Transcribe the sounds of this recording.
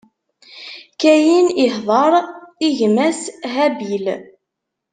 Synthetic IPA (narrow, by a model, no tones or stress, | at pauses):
kæjinɪħðˤɑɾˤiʝmæsɦæbil